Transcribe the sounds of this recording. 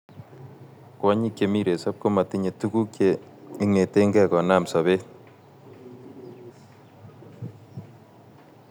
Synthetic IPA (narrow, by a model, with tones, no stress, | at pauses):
kwa˦ɲi˦kje˨mi˦ɾe˨sa˦p̚ko˦ma˨ti˦ɲe˨tu˦ku˦kje˦i˦ŋe˨te˦ŋɡɛ˦˨kɔ˨na˦˨msa˨βe˦t̚